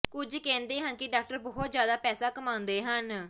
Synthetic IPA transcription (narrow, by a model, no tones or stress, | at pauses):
kʊd͡ʒkɛ̃ːnd̪eːɦənkɪɖaːk̚ʈəɾbɔːɔt̪zjaːd̪aːpɛːsaːkəmãːʊ̃nd̪eːɦən